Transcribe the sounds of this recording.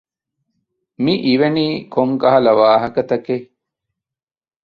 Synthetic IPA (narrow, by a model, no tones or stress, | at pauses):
miʔiʋeniːkoŋkɐɦɐlɐʋaːɦɐkɐt̪ɐke